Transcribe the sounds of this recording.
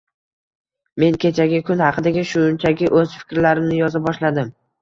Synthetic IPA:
me̞nkʲʰe̞t͡ʃʰaɡʲɪkʲʰʊnhɑqʰɨd̪aɡʲɪʃʊnt͡ʃʰaɡʲɪʔɵz̥fɪ̥kʲɾlaɾɪmnɪjɒzɪbɒʃlad̪ɪm

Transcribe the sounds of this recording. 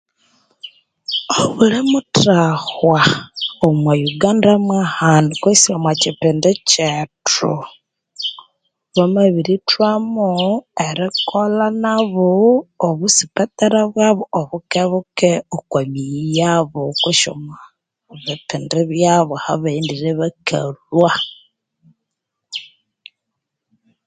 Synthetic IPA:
oβulemutahwaomwajuɡaːndamwahandikwesiamwat͡ʃipindet͡ʃetu | βamaβiɾitwamueɾikolanaβooβusipataɾaβwaβooβukeβukeokwamijaβokuʃo̰ma | βipindeβjaβohaβaindiɾeβakʰa̰lwa

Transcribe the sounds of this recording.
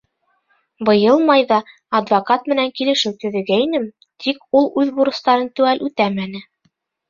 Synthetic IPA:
bɤ̆jɤlˠmɑjðɑː | d̪vokɑt̪mɘ̆næŋkilɘ̆ʃɘwt̪ɵ̆ðɘ̆ɡæinɘm | t̪ʰikulˠʉðbuɾɤ̆st̪ɑɾɤnt̪ʉælʔʉt̪æmænɘ

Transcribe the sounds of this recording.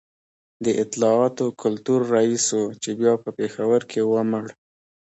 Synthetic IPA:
d̪əʔɪt̪ɪlɑɑt̪okʰʊlt̪uɾːaisot͡ʃebjɑpəpexawəɾkʰewəməɽ

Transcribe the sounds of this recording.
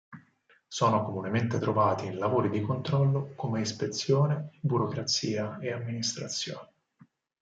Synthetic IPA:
sɔːnokomunement̪et̪ɾovaːt̪iːnlavoːɾid̪ikont̪ɾɔlːokomeispet̪sːjoːnebuɾokɾat̪siːaeamːinist̪ɾat̪sːjoːne

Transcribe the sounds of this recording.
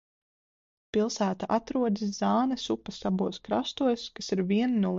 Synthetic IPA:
pilˠsæːt̪aʔat̪ɾuɔd̪is̬zɑːnɛsupɐsabuɔskɾa̰st̪uɔjskasiɾviɛnnuɔ

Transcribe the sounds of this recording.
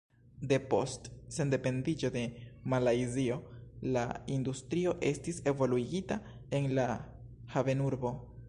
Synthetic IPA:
de̞po̞stse̞nde̞pe̞ndid͡ʒo̞de̞malajzio̞la̰ind̪ustɾio̞ʔe̞stise̞vo̞luiɡita | e̞nla | have̞nuɾbo̞

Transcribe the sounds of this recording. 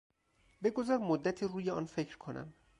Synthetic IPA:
be̞ɡo̞zɒɾmod̪ːæt̪ʰiːruːjeɒ̰ːnfe̞cʰɾkʰonæ̰m

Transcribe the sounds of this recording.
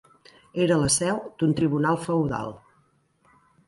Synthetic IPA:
eɾələsɛwd̪unt̪ɾiβunalˠfəwða̰lˠ

